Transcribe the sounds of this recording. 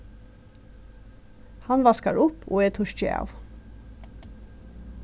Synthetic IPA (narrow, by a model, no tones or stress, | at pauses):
hɑnʋɑskɑɹʔʊpʰo̰ːeːt̪ʰʊʃçḛːʔɑ̰ːʋ